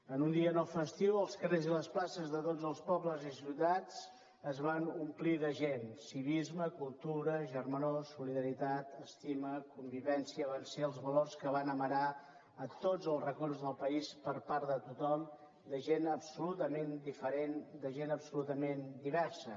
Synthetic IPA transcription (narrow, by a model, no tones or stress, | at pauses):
ənund̪iənɔwfəst̪iwəlˠskəreziləsplasəzðət̪od͡zəlˠspɔbləzisiwt̪at͡s | əzβanumpliðəʒensiβ̞izməkulˠt̪uɾəʒərmənosːuliðəɾit̪at̪əst̪iməkumbiβɛnsiəβanseəlˠzβəlorskəβ̞anəməɾa | ət̪od͡zəlˠzrəkɔrzðəlˠpəispəɾpaɾðət̪ut̪ɔm | d̪əʒenəpsulut̪əmend̪ifəɾend̪əʒenəpsulut̪əmend̪iβɛɾsə